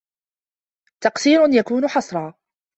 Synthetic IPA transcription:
t̪ɑqsiːɾʊnjakuːnʊħɑsˤɾˤɑː

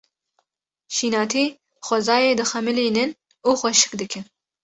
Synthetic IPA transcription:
ʃiːnɑːt̪ʰiː | xʷɛzɑːjeːd̪ɨxɛmɨliːnɨn | uːxʷɛʃɨ̥kd̪ɨkʰɨn

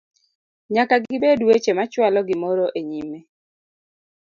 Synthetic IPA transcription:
ɲakaɡɪbedwet͡ʃemat͡ʃwalɔɡɪmɔɾɔʔeɲime

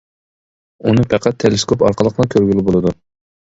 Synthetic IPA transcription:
unɨpʰɛqʰæt̪ʰːeleskʰopɑɾqəlˠəqnɑkʲʰøɾɡʲylɪbolˠɨd̪u

